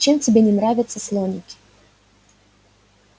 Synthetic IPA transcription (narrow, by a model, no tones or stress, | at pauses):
t͡ɕemtʲɪbʲenʲɪnɾavʲɪt̪səslˠonʲɪkʲɪ̥